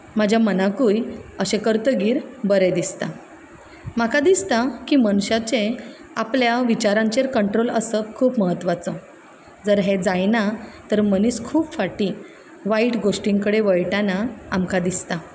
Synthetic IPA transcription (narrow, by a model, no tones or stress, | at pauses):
mad͡ʑʱjamənakuːjəɕekəɾt̪əɡiːɾbəɾed̪ist̪a | makad̪ist̪akiːməñɕat͡ɕe | apljaʋit͡ɕaɾãɲt͡ɕeɾkəɳʈɾoləsəkʰuːpməɦət̪ːʋat͡sə | d͡zəɾɦed͡zajnat̪əɾməniːskʰuːpfaʈi | ʋaiʈɡoʂʈiŋkəɽeʋəɭʈanaamkad̪ist̪a